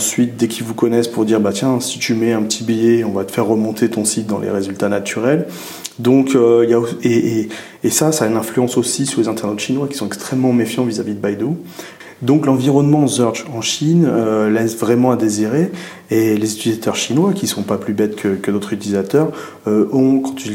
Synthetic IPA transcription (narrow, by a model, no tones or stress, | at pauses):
ɑ̃sɥit̪̚d̪ɛkʲʰilvukɔnɛspuʁd̪iʁbat̪jɛ̃si̥t̪ymɛɛ̃pət̪ʰibijɛɔ̃vat̪ə̥fɛʁːəmɔ̃t̪ʰet̪ɔ̃sit̪̚d̪ɑ̃lʔḛʁezylt̪anat̪ʰyʁɛl | d̪ɔ̃køiljaoeeː | sasaynɛ̃flyɑ̃sosisyʁlezɛ̃t̪ɛʁnot̪ʃinwakʲi̥sɔ̃ɛkst̪χɛmːɑ̃mefjɑ̃vizavid̪əbajd̪o | d̪ɔ̃klɑ̃viʁɔnmɑ̃zœʁd͡ʒɑ̃ʃinølɛsvʁɛmɑ̃ad̪eziʁe | elezyt̪ilizat̪ʰœʁʃinwakʲisɔ̃paplybɛt̪kʰəkəd̪ot̪χyt̪ilizat̪œʁ | øɔ̃kɑ̃t̪ʰy